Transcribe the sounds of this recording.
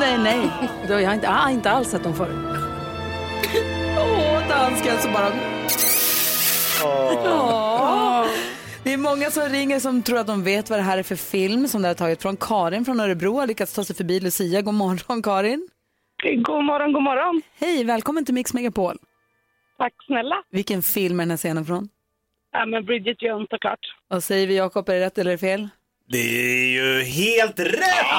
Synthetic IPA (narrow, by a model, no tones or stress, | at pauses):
nɛnɛjd̪ɛjahaɾɪnt̪ːɪnt̪əalsːɛt̪̚ːd̪ɔmfoːɾ | ɔd̪anskasɔbɑːɾa | d̪ɪɛɾmɔŋːasɔmɾɪŋːəɾʂɔmt̪ʰɾuːɾat̪̚d̪ɔmveːt̪vad̪ɛɦæːɾæɾfœɾfɪlmsɔmd̪ɛhaɾʈ̪ʰɑːɡɪt̪fɾɔnkʰɑːɾɪnfɾɔnœɾɛbɾuːhaɾɭʏkːat̪st̪ʰɑːsɛjfœɾbiːlʊsiːaɡoːmɔɾːɔnkʰɑːɾɪn | ɡuːmɔɾɔnɡuːmɔɾɔnhɛjvɛːlkʰɔmːənt̪ɪlmɪksmɛɡapʰoːl | t̪ʰakːsnɛlːavɪlkənfɪlmæɾdɛnæːseːnənfɾɔn | amɛnbɾɪd͡ʒɪt̪jəʊnt̪sɔklɑ̰ːʈvasɛjəɾvɪjɑːkɔpɛɾɛɾɛt̪ːɛlːəɾɛfeːl | d̪ɛjɵɦeːlt̪ɾɛt